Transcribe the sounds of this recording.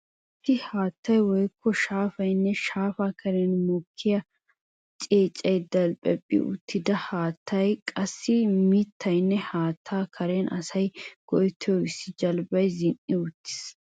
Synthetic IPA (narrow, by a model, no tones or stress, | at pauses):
ʔʔɪt̪ːɪhaːt̪ːɐjwɔjkʰːɔʃaːfɐjnːɛʃaːfaːkʰɐɾɛnmɔkʰːɪjɐ | t͡ʃʼeːt͡ʃʼːɐjd̪ɐlpʼɛpʼːɪ̰ʔʊ̰t̪ʰːɪd̪ɐhaːt̪ʰːɐjkʼɐsːɪmɪt̪ːɐjnːɛhaːt̪ʰːaːkʰɐɾɛnʔɐsɐjɡ̥ɔjt̪ʰːɔjɔɪsːɪd͡ʒɐlbɐjzɪnʔɪʊt̪ːɪ̥s